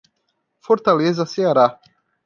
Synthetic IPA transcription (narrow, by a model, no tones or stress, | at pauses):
foɾt̪alezɐseaɾa